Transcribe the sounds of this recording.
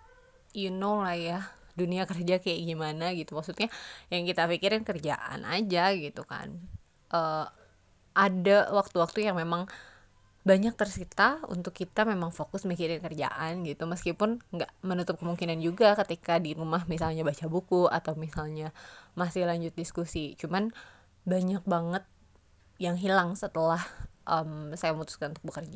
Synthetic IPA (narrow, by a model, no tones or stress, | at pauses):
junowlaja | duniakərd͡ʒakajaʔɡimanaɡit̪umaksut̪ɲajaŋkit̪afikiɾɪnkərd͡ʒa̰ʔa̰nʔa̰d͡ʒaɡit̪uka̰n | ʔə | adawak̚t̪uwak̚t̪ujaŋmemaŋ | baɲak̚t̪ərsit̪aṵnt̪ʊkːit̪amemaŋfokʊsmikiɾɪnkərd͡ʒa̰ʔanɡit̪uməskipʊnŋɡaʔmənut̪ʊp̚kəmuŋkinand͡ʒuɡakət̪ikadiɾumahmisalɲabat͡ʃabukuʔa̰t̪awmisalɲamasɪhlaɲd͡ʒʊt̪̚diskusit͡ʃuman | baɲak̚baŋət̪̚ | jaŋɦilaŋsət̪əlahʔəmsajaməmut̪ʊ̥skanunt̪ʊk̚bəkərd͡ʒa